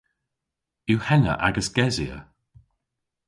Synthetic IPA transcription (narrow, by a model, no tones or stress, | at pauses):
uhɛnə̰ʔa̰ɡəsɡ̥ɛziə̰